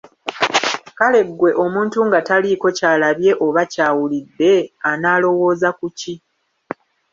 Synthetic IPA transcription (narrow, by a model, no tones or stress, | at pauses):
kale̞ɡwe̞ʔo̞muːntuŋɡataliko̞caːlaβje̞ʔo̞βacaːwulidːe̞anaːlo̞wo̞ːzakuci